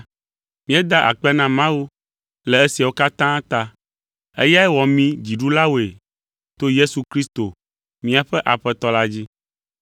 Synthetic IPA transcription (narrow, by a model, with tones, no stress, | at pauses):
mĩ˦ɛ˦d̪a˦ʔa̰˨k͡pɛ˦nã˦mã˦wu˦ | lɛ˨e˦si˨a˨wo˦ka˦t̪ã˦t̪a˦ | ḛ˦ja˦ɛ˦wɔ˨mĩ˦d͡ʑi˨ɖu˦la˦wo˨e˨ | t̪o˦je˦su˨kɾi˦st̪o˨ | mĩ˦a˨ɸɛ˦ʔa˨ɸɛ˦t̪ɔ˨˦la˦d͡ʑi˦